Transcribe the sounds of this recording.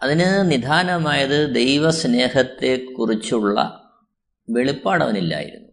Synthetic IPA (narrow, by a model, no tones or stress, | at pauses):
ɐðinɨnid̪ʱaːnɐmaːjɐðɨd̪e̞jʋɐsne̞ːhɐt̪ːe̞kːurit͡ɕːuɭːɐ̰ | ʋe̞ɭipːaːɽɐ̰ʋɐnilːa̰ːjḭɾṵnːu